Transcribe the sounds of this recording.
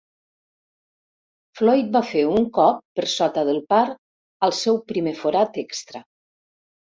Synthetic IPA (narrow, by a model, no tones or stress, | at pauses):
flɔjt̪̚bafeuŋkɔpːəɾsɔt̪əðəlˠpaɾ | əlˠsɛwpɾimefoɾat̪ekst̪ɾə